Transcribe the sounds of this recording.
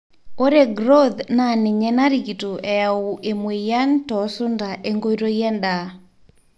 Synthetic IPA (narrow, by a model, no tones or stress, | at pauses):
oɾeɡɾoðnaneɲɛnaɾikitoʔɛjauʔemwejantɔsondaʔeŋɡoiɾojɛnda